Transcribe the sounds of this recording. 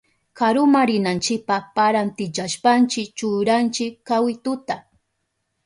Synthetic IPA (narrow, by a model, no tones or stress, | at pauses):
kaɾʊmaɾɪnant͡ʃɪk̚papaɾant̪ɪt͡ʃaʃpant͡ʃɪkt͡ʃʊɾant͡ʃɪkkːawɪt̪ʊt̪a